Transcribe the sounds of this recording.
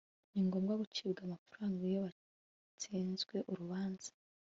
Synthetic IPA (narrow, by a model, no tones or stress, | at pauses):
niŋɡo̞mɡwaɡut͡ʃiːbɡamafuɾaːŋɡijoβa | t͡siːnzɡwe̞ʔuɾuβaːnz̥ḁ